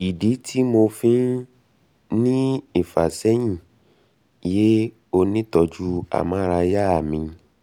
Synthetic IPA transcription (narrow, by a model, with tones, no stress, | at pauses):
i˨di˨˦tʰi˦mo˧fĩ˦ | nĩ˦e˦˨fa̰˨sɛ˦j̃ĩ˦˨ | je˦ | o˧nĩ˦tɔ˧d͡ʒu˦a̰˨mã˨˦˧ɾa˧ja˦a˦˨mĩ˧